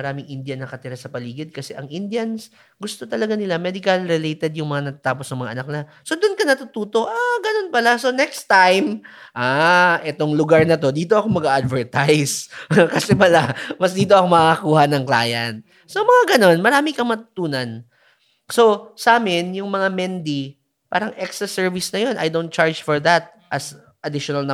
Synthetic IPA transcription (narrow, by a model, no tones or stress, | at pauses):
ɐɾaːmɪŋʔɪnd̪jɐnɐkɐt̪ɪɾasɐpɐliːɡɪd̪̚kɐsɛʔɐŋʔɪnd̪jɐns | ɡʊst̪o̞t̪ɐlɐɡanɪlamɛd̪ɪkɐlɾɛlejt̪ɛd̪jʊŋmɐŋanɐt̪at̪aːposnɐŋmɐŋa̰ʔɐnɐk̚naso̞d̪ʊnkɐnɐt̪ʊt̪uːt̪o̞ʔaɡɐno̞npɐlaso̞nɛkst̪ajmʔaːʔɛt̪o̞ŋlʊɡaɹnɐt̪o̞d̪iːt̪o̞ʔɐkomɐɡaʔad̪vɛɹt̪ajskɐsɛmɐlamɐsd̪iːt̪̬o̞ʔɐkomɐkɐkuːhɐnɐŋkla̰ːjɐ̰n̚ | somɐŋaɡɐno̞nmɐɾaːmɪkɐŋmɐt̪ʊ̥t̪uːnɐn | so̞sɐaːmɪnjʊŋmɐŋamɛnd̪i | paːɾɐŋʔɛkst̪ɾɐsɛɹvisnɐjo̞nʔɐ̰jd̪own̚t͡ʃaɹd͡ʒfɔɹðɐt̪̚ | ʔɐs | ʔɐd̪ɪʃonɐlnɐ